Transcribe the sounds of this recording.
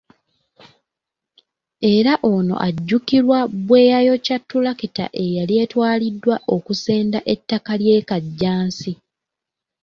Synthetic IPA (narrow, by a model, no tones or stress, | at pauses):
e̞ɾaʔono̞̰ʔaɟːukiɾwabwe̞ːjajo̞catːulakita̰ʔe̞jalje̞ːtwaːlidːwaʔo̞kuse̞ːndaʔe̞tːakalje̞ːkaɟːaːnsi